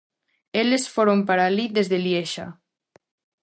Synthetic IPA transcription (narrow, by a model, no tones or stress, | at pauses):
elesfoɾompaɾalid̪ezðeljeʃa̰